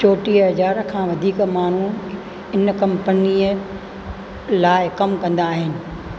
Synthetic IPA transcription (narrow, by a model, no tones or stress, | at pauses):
t͡ɕoːʈiɦɐzaːɾkʰãːʋɐd̪ʱiːkmaːn̤u | ɪnkɐ̃mpəniə | laːɪkɐmkɐ̃nd̪aːɦɪnɪ̆